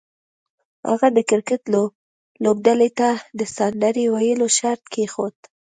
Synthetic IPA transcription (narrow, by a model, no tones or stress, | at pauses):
ha̰ɣad̪əkɪɾkɪt̪lob | lob̚d̪alet̪ad̪əsand̪aɾiwajəloʃaɾt̪̚kʰexot̪